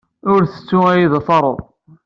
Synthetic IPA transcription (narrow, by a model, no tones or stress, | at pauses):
ʊɾθə̥t͡sːuæjiðfɑɾˤo̰ˤ